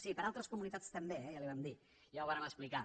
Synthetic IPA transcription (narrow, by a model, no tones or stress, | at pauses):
sipəɾalˠt̪ɾəskumunit̪at͡st̪əmbeɛjaliβamd̪i | jawβaɾəməsplika